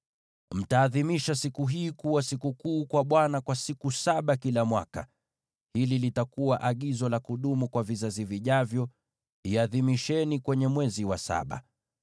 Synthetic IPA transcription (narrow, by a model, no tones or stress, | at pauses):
m̩taːðimiʃasikuɦiːkuwasikukuːkwaɓwanakwasikusaɓakilamwa̰ka̰ | hililitakuwaʔaɠizɔlakuɗumukwavizaziviʄavjɔ | hiaðimiʃɛnikwɛɲɛmwɛziwasa̰ɓa̰